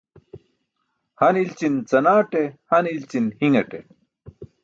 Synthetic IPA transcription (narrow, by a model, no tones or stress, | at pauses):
hɐnilt͡ɕint͡sɐnaːʈehɐnilt͡ɕinhiŋɐʈḛ